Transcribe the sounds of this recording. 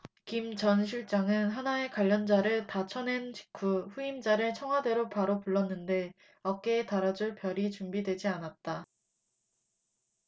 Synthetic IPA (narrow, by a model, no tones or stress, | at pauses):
kimt͡ɕʌnɕʰiɭt͡ɕ͈aŋɯnɦanae̞kwaʎːʌnd͡ʑaɾɯɭtat͡ɕʰʌne̞nt͡ɕi̥kʰuɸuimd͡ʑaɾɯɭt͡ɕʰʌŋɦwade̞ɾopaɾopuɭːʌnːɯnde̞ | ʌk͈e̞ːtaɾad͡ʑuɭpjʌɾit͡ɕumbidwe̞d͡ʑianat̚t͈a